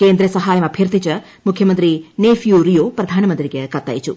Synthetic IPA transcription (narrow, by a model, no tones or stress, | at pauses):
keːnd̪ɾɐsɐɦaːjɐmɐbʱjɐɾt̪it͡ʃɐ | mukʰjɐmɐnt̪ɾineːfjuɾijoːpɾɐd̪ʱaːnɐmɐnt̪ɾiɡekɐt̪ːa̰jt͡ʃu